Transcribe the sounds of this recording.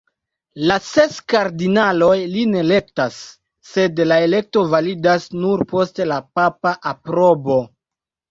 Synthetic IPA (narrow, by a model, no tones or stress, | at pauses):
lase̞skaɾdinalo̞jline̞le̞k̚tasː | e̞dlae̞le̞k̚to̞validasnuɾpo̞stelapapaʔapɾobo̞